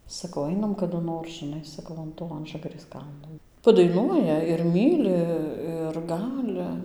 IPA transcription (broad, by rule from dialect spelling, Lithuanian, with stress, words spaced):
sɐˈkɐʊ ˈɐɪnɐm kɐdʊ ˈnoːr ʒʲɪˈnɐɪ sɐˈkɐʊ ɐn ˈtoː ˈɐnʒɐɡɐrʲeːs ˈkɐlˠnoː pɐdɐɪˈnuɔjɛ ɪr ˈmʲiːlʲɪ ɪr ˈɡɑːlʲɪ